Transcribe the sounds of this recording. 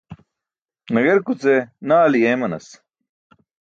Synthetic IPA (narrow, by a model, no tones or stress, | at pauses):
nɐɡeɾkut͡senaːlijemɐnɐ̰s